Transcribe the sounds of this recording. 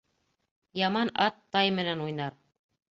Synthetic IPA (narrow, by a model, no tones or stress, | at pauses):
jɑmɑnɑt̪ːɑjmɘ̆nænujnɑɾ